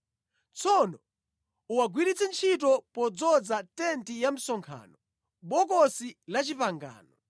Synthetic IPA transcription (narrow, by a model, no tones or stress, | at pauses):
t͡sʰɔnɔ | uwaɡwiɾit͡sɛnt͡ʃʰit̬ɔpɔd͡zɔd͡zatɛntijam̩sɔŋkʰa̰ːnɔ | ɓɔk̬ɔsilat͡ʃipaŋɡa̰ːnɔ